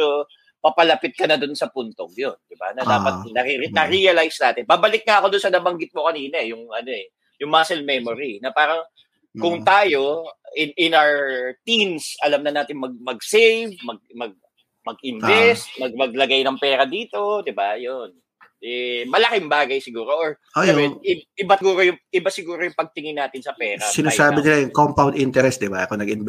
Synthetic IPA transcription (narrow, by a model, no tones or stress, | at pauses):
o | pɐpɐlɐpɪt̪̚kɐnɐd̪ʊnsɐpunt̪o̰ɡjond̪ɪba̰nɐd̪aːpɐt̪̚nɐɾinɐɾijɐlajsnaːt̪ɪnbaːbɐlɪk̚ŋɐʔɐko̞d̪ʊnsɐnɐbɐŋɡɪt̪̚mokɐniːnɐɛjʊŋʔɐno̞ɛ | jʊŋmɐasɛlmɛmoɾinɐpaːɾɐŋ | kʊŋt̪aːjo̞ɪnʔɪnawt̪insʔɐlamnɐnaːt̪ɪŋmɐɡ̚mɐɡ̚sɛjvmɐɡ̚mɐɡ̚ | mɐɡʔɪnbɛst̪̚mɐɡ̚mɐɡ̚lɐɡajnɐŋpɛːɾɐd̪iːt̪o̞d̪ɪbajon | ʔɛmɐlɐkɪŋbaːɡɐjsɪɡuːɾoʔoɹ | ʔojaʊbɛɪʔɪbaɡuːɾo̞jʊŋʔɪbasɪɡuːɾojʊŋpɐɡ̚t̪ɪŋɪnːaːt̪ɪnsɐpɛːɾɐsɪnasaːbɪnɪlajʊŋkompawnd̪int̪ɛɾɛsd̪ɪbaɐkonɐɡɪnb